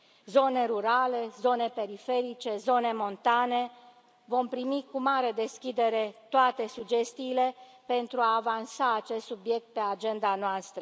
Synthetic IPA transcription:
zo̞ne̞ɾuɾale̞zo̞ne̞pe̞ɾife̞ɾit͡ʃe̞zo̞ne̞mo̞nt̪ane̞ | vo̞mpɾimikumaɾe̞d̪e̞skʲid̪e̞ɾe̞t̪oat̪e̞sud͡ʒe̞st̪iːle̞ | pe̞nt̪ɾuaːvansaːt͡ʃe̞st̪subje̞k̚t̪̚pe̞ad͡ʒe̞nd̪anoast̪ɾə

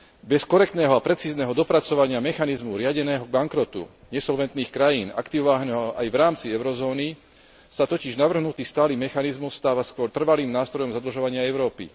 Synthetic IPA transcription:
bɛskɔɾɛk̚t̪nɛːɦɔapɾɛt͡siːznɛɦɔd̪ɔpɾat͡sɔʋaɲɪamɛxanizmuɾɪaɟɛnɛːɦɔɡ̚baŋkɾɔt̪ṵ | ɲɛsɔlʋɛnt̪niːxkɾajiːna̰kt̪iʋɔʋaːɦnɛɦɔɔʔajʋɾaːmt͡siɛʊɾɔzɔːni | sat̪ɔciʒnaʋr̩ɦnut̪iːst̪aːliːmːɛxanizmust̪aːʋaskʊɔɾt̪r̩ʋaliːmnaːst̪ɾɔjɔmzad̪l̩ʒɔʋaɲɪaɛʊɾɔːpḭ

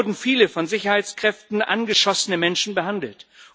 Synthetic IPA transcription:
ɐdn̩fiːləfɔnzɪçɐhaɪt͡skʁ̥ɛftn̩ʔa̰nɡəʃɔsənəmɛnʃn̩bəɦandl̩t

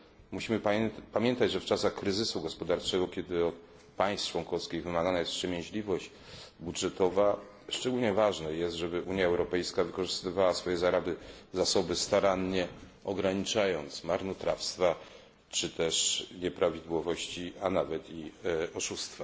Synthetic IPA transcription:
muɕimɘpamʲjɛnt̪ad͡ʑʐɛft͡ʂasaxkɾɘzɘsuɡɔspɔd̪aɾt͡ʂɛɡɔkʲɛd̪ɘɔt̪̚ | paj̃st͡ʂwɔŋkɔfskʲiɣvɘmaɡanajɛspʂɛmʲjẽʑlʲivɔɕt͡ɕ | budʐɛt̪ɔva | ʂt͡ʂɛɡulɲɛvaʐnɛjɛst̪ʐɛbɘʔuɲjaɛwɾɔpɛjskavɘkɔʐɘst̪ɘvawasfɔjɛzaɾabɘzasɔbɘst̪aɾanɲɛ | ɔɡɾaɲit͡ʂajɔnt̪smaɾnɔt̪ɾafst̪fa | t͡ʂɘt̪ɛʂɲɛpɾavʲid̪wɔvɔɕt͡ɕianavɛt̪iɔʂust̪fa

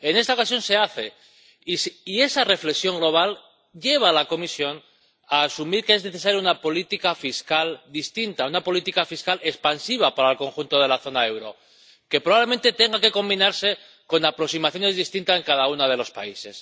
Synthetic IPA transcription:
e̞ne̞st̪aokas̬jo̞nse̞aθe̞ | isie̞sare̞fle̞ksjo̞ŋɡlo̞β̞al | ʝe̞β̞alako̞misjo̞n | aːsumiɾke̞e̞zneθe̞saɾjaunapo̞lit̪ikafiskald̪ist̪int̪aunapo̞lit̪ikafiskale̞spansiβ̞apaɾaelko̞ŋxunt̪o̞ð̞e̞laθo̞nae̞wɾo̞̰ | ke̞pɾoβaβle̞me̞nt̪e̞t̪e̞ŋɡake̞ko̞mbinaɾse̞ | ko̞napɾo̞ksimaθjo̞ne̞zðist̪int̪ase̞ŋkað̞aunað̞e̞lo̞spa̰ise̞s

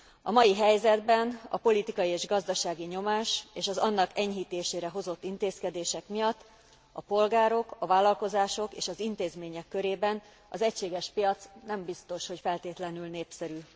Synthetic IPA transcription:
ɒmɒjiɦɛjzɛd̪bɛnɒ̰po̞lit̪ikɒjieːʒɡɒzd̪ɒʃaːɡiɲo̞maːʃeːʃɒzɒnːɒkɛɲɦiːt̪eːʃeːɾɛɦo̞zo̞t̪ːint̪eːskɛd̪eːʃɛkmijɒt̪ː | ɒpo̞lɡaːɾo̞kɒvaːlːɒlko̞zaːʃo̞kḛːʃɒzint̪eːzmeːɲɛkːø̞ɾeːbɛn | ɒzɛcʃeːɡɛʃpijɒt̪snɛmbist̪o̞ʃho̞cfɛlt̪eːt̪lɛnylneːpsɛɾyː

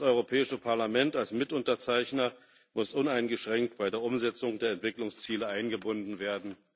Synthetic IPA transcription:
sʔɔʏʁ̞opʰɛːɪʃəpʰaɐlamɛntalsmɪtʊntɐt͡saɪçnɐ | mʊsʔʊnaɪnɡəʃʁ̥ɛŋk̚tb̥aɪdeːɐʔʊmzɛt͡sʊŋdeːɐɛntv̥ɪklʊŋst͡siːləʔaɪnɡəbʊndn̩veːɐdn̩

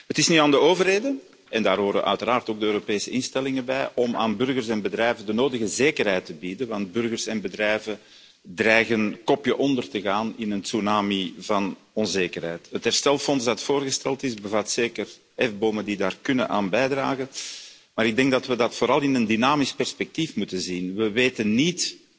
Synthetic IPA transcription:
ɦətɪsnyaːndəoːvərɦeːdə | ɛndaːrɦoːɾə̰ʔœ̰ɥtəɾaːrtoːɡ̚dəøːɾopeːsəɪnstɛlɪŋəbɛjʔɔma̰ːnbʏrɣərsɛnbədrɛjvəndənoːdəɣəzeːkərɦɛjtəbidənʋɑnt̚bʏrɣərsɛnbədrɛjvə | drɛjɣənkɔpjəʔɔndərtəɣaːnɪnənsunaːmivɑn | ɔnzeːkərɦɛjtɦətɦɛrstɛlˠfɔnsdɑtfoːrɣəstɛlˠtɪzbəvɑtseːkər | ɛvboːməndidaːrkʏnənʔa̰ːnbɛjdraːɣən | maːɾɪɡ̚dɛŋɡdɑtʋədɑtfoːɾɑlˠɪnəndynaːmɪspɛrspɛk̚tifmutənzinʋəʋeːtənːit

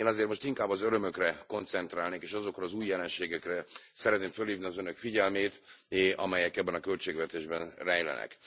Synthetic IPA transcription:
eːnɒzeːrmo̞ʃt̪iŋkaːbːɒzøɾø̞mø̞krɛko̞nt̪sɛnt̪raːlneːkeːʃɒzo̞krɒːzuːjːɛlɛnʃeːɡɛkrɛsɛɾɛt̪neːmfø̞lhiːvniɒzønø̞kfiɟɛlmeːt̪ʔɒ̰mɛjɛkɛbːɛnɒkølt͡ʃeːɡvɛt̪eːʒbɛnrɛjlɛ̰nɛ̰k

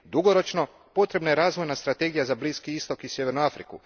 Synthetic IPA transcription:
d̪uɡo̞ɾo̞t͡ʃno̞ | po̞t̪ɾe̞bnaje̞ɾaːzʋojnast̪ɾat̪e̞ɡijazabliːskiist̪o̞kisjeʋe̞ɾnuafɾḭku

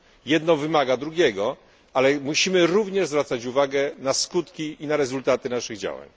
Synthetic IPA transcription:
jɛd̪nɔ̃w̃vɘmaɡad̪ɾuɡʲjɛɡɔ | alɛmuɕimɘɾuvɲɛʐzvɾat̪sat͡ɕuvaɡɛnaskut̪kʲiinaɾɛzult̪at̪ɘnaʂɘɣd͡ʑa̰wa̰ɲ

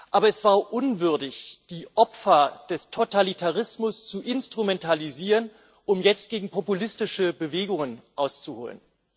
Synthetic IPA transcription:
ʔaːbɐɛsv̥aːɐʔʊnvʏɐdɪçd̥iːʔɔpfɐd̥ɛstʰotalitʰaʁ̞ɪsmʊst͡suʔɪnstʁ̥umɛntʰaliziːʁən | ʔʊmjɛt͡st̚ɡ̥eːɡŋ̩pʰopulɪstɪʃəbəveːɡʊŋənʔaʊst͡suho̰ːlə̰n

